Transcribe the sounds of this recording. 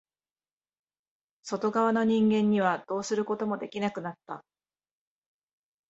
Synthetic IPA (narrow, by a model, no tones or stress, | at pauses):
so̞t̪o̞ɡaβ̞ano̞ɲ̟ĩŋɡẽ̞ɲ̟ːiβ̞ad̪̥o̞ːsɨɾɯ̟ko̞t̪o̞mo̞d̪e̞kʲinakɯ̟nat̪ːa